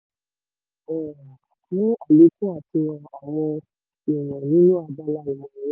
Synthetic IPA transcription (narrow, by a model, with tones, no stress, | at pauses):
ɛ˦˨ | nĩ˦a˨li˨˦kũ˦a˦˨ti˧ã˨a˨w̃ɔ̃˧ | i˨j̃ã˨nĩ˦nũ˦a˧ba˦la˦i˨mɔ̃˨˦